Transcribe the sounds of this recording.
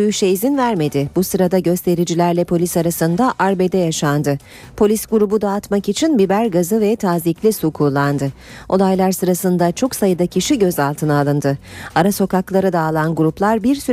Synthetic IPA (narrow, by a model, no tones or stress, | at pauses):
yjyʃɛizinvæɾme̞d̪ɪbusɯɾad̪aɟø̞st̪ʰe̞ɾid͡ʒilʲæɾlʲɛpʰo̞lʲisaɾasɯnd̪aʔaɾbe̞d̪ɛjaʃand̪ɯ | pʰo̞lʲisɡuɾubud̪aːt̪makit͡ʃʰinbibæɾɡazɯvɛt̪ʰaːziclʲisukʰulˠːand̪ɯo̞̰lˠajlˠaɾsɯɾasɯnd̪at͡ʃʰo̞ksajɯd̪acʰiʃiɟø̞zalˠt̪ʰɯnaːlˠɯnd̪ɯaɾaso̞kaklˠaɾɯd̪aːlˠanɡuɾuplˠaɾbiɾsy